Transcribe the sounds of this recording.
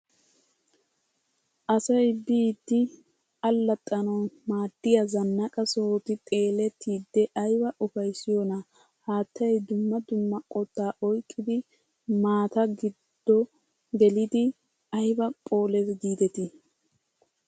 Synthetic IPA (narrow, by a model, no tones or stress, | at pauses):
ʔɐsɐjbiːd̪ːɪ | ɐlːɐt̪ʼːɐnɐmaːd̪̥ːɪjɐzɐnːɐkʼɐsoːt̪ɪt̪ʼe̞ːlɛt̪ʰːiːd̪ːɛʔɐjbɐʔʊfɐjsɪjɔnɐ | haːt̪ːɐjd̪ʊmːɐd̪ʊmːɐkʼɔt̪ːaːʔɔjkʼːɪd̪ɪ | maːt̪ɐɡɪd̪̥ːɔ | ɡɛlɪd̪ɪ | ɐjbɐkʼo̞ːlɛsɡiːd̪ɛt̪ɪ